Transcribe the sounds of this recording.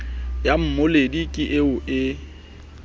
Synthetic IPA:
jam̩moledikʼiʔeʊʔɪ

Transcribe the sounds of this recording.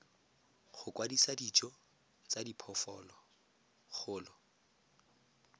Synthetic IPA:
χʊkwadisadit͡ʃʼɔ | t͡sadipʰɔfɔlɔ | χʊːlɔ

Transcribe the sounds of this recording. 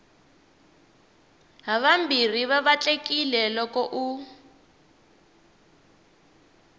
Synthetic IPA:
ɦaβambir̤iβaβat͡ɬʼekʼilɛlɔkɔʔu

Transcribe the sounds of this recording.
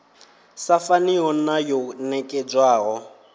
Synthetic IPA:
safaniɔnajɔnɛkʼɛd͡ʒwaːɣɔ

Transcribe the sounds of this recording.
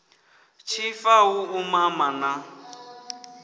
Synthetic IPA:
t͡ʃʰifawuumamana

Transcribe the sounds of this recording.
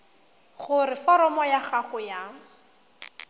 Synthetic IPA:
χʊrɪfɔɾɔmɔjaχaχʊja

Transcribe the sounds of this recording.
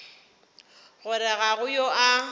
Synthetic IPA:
ɣʊɾɪɣaɣʊjoʔa

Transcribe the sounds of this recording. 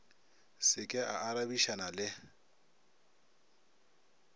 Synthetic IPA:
sɪkʼɪaaɾabiʃanalɪ

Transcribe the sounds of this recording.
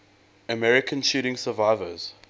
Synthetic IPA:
əmɛɹɪkʰə̃nʃuːɾɪ̃ŋsəvaɪvəz̥

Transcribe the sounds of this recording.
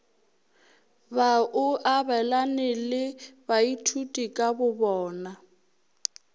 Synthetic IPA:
baʔʊʔabɛlanɪlɪbaitʰutʼikʼabʊbɔːna

